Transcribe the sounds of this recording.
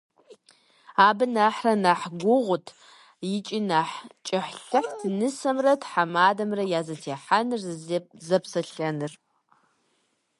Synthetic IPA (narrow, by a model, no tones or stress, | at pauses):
aːbɨnaħrɐnaːħɡʷʊʁʷʊtʰ | jɪt͡ʃʼinaːħt͡ʃʼɐħɬɨħtʰɨnɨsɐmrɐtħamaːdɐmrɐjaːzɐtʰeːħanɨrzzɐpsɐɬɐnɨr